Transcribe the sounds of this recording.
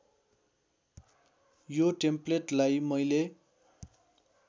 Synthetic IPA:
joʈempleʈlajmʌjle

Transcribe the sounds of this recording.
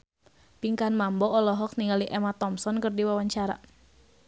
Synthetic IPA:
piŋkanmambɔːlɔɦɔk̚niŋaliʔɛmat̪ɔmsɔnkərdiwawaɲt͡ʃaɾa̰

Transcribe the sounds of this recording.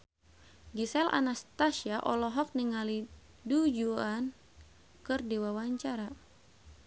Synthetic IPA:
ɡisɛla̰nast̪asiaʔɔlɔɦɔk̚niŋali | dud͡ʒuan | kɨrdiwawaɲt͡ʃaɾa

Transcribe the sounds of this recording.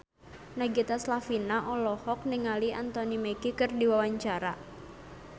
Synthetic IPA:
naɡit̪aslafinaʔɔlɔhɔk̚niŋaliant̪ɔnimekikɨrdiwawaɲt͡ʃaɾa̰

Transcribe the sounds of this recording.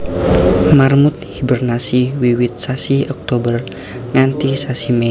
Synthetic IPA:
marmut̪̚hibərnasiwiwit̪̚sasiɔk̚t̪obər | ŋant̪isasimɛ

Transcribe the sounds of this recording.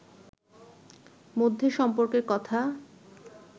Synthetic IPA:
mod̪ʱːeʃɔmpoɾkeɾkɔt̪ʰa

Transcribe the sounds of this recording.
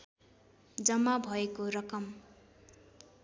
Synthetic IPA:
d͡zʌmːabʱʌekoɾʌkʌm

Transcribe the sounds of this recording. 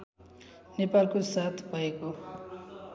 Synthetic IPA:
nepalkosat̪ʰbʱʌeko

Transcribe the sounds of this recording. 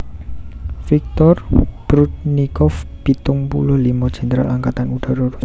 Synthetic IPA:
fik̚t̪ɔrb̥ɾut̪̚nikɔfb̥it̪ʊŋpulʊhlimɔd̥ʒ̥ɛ̤ndəɾa̰laŋkat̪anud̥a̤ɾɔɾu

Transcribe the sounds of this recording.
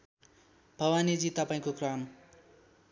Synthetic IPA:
b̥ʱʌwanid͡zit̪ʌpaĩkokram

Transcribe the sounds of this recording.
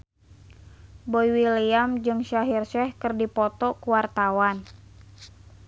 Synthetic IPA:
boiwiliamd͡ʒɨŋʃaɦirʃɛhkɨrdipɔt̪ɔkuwart̪awan

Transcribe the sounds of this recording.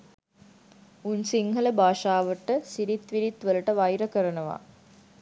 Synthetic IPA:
unsiŋɦələbʱaːʂaːʋəʈəsiɾit̪ʋiɾit̪ʋələʈəʋajɾəkəɾənəʋa̰

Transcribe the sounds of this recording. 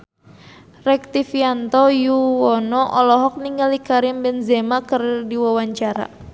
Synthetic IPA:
rɛk̚t̪ifiant̪ɔjuwɔnɔʔɔlɔɦɔk̚niŋɡalikaɾɪmbɛnzemakərdiwawaɲt͡ʃaɾa̰

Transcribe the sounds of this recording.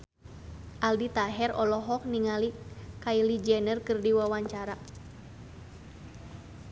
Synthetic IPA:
ʔaldit̪aɦɛrɔlɔɦɔk̚niŋalikailid͡ʒɛnərkɨrdiwawaɲt͡ʃaɾa

